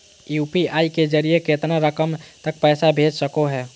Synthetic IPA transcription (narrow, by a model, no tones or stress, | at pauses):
juːpiaiked͡ʒəɾijeket̪naɾəkəmt̪ək̚pɛːsabʱed͡ʒsəkoɦɛː